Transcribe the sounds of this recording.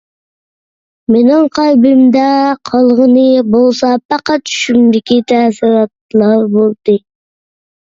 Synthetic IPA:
menɪŋqʰɑjbɪmd̪ɛqʰɑlˠʁənɨbolˠsɑpːɑqɑt͡ʃʰy̥ʃymd̪ɪkʲʰit̪ʰæːsɨɾɑt̪̚lˠɑɾbolˠd̪ɨ

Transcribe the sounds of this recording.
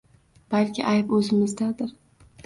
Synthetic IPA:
b̥alkʲɪʔajpɵzɪmɪzd̪ad̪ɪɾ

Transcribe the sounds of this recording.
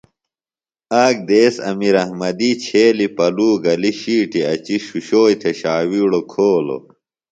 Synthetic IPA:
aːɡ̚d̪eːsɐ̰miɾɐhmɐd̪it͡ɕʰeːlipɐluːɡɐliɕiːʈiɐt͡ɕiɕuɕoːjt̪ʰeɕaːwiːɽokʰoːlo̰

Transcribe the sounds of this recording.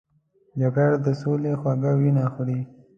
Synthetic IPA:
d͡ʒaɡaɽd̪əsolexwaɡawinaxɽi

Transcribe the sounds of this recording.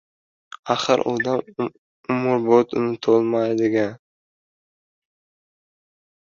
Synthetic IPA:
aχɨɾʔo̰d̪am | ʊmʊɾbot̪ʰʊnɪt̪ʰolˠmajd̪ɪɡʲan

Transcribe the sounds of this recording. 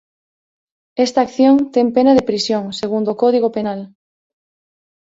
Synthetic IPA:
est̪aːkθjoŋt̪ɛmpenɐðepɾisjoŋseɣund̪okɔðiɣopenal

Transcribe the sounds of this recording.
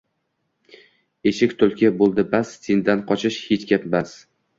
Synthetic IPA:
e̞ʃɪkʲt̪ʰɵlˠkʲabolˠd̪ɪbast̪ʰind̪anqʰɒt͡ʃʰɪʃhet͡ʃkʲapbas

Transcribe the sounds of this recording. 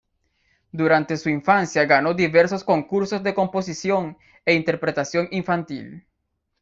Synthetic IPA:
d̪uɾant̪e̞suiɱfansjaɡano̞d̪iβeɾsosko̞ŋkuɾsozd̪e̞ko̞mposisjoŋ | eint̪eɾpɾet̪asjo̞ŋiɱfant̪ḭl

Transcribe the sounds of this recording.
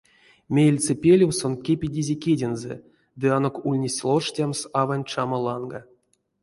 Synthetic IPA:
mʲejelʲt͡sɨpʲelʲiwsonkʲepʲidʲizʲekʲedʲenzɛ̰ | d̪ɨano̞kulʲnʲesʲlˠoʂtʲamsavanʲt͡ʂamalˠɑnɡa

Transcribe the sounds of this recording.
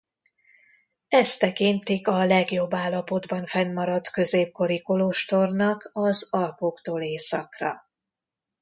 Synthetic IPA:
ɛst̪ɛkint̪ikɒlɛɡjo̞bːaːlːɒpo̞d̪bɒɱfɛnːɒɾɒt̪kø̞zeːp̚ko̞ɾikoloʃt̪o̞rnɒkɒzɒlpoːkt̪oːleːsɒkrɒ̰

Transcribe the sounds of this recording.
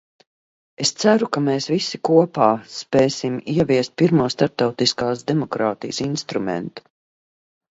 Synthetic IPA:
est̪sæɾukameːsvisikuɔpaːspɛːsimiɛviɛst̪̚piɾmuɔst̪aɾp̚t̪awt̪iskaːsd̪emɔkɾaːt̪ijəsinst̪ɾumɛ̰nt̪u̥

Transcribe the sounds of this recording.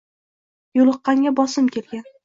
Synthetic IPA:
jolˠɨqːɑŋʲabɒsɪmkʲe̞lɡʲan

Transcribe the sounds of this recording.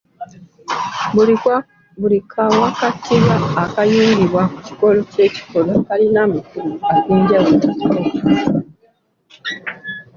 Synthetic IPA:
bulikʰawakatːiβaːkajuːŋɡiβwaku̥ci̥ko̞loce̞ːci̥kolokalinamikuloakiːɲɟawataio

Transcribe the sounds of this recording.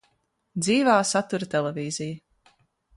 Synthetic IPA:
d̪ziːvaːsat̪uɾət̪ɛlˠeviːziju

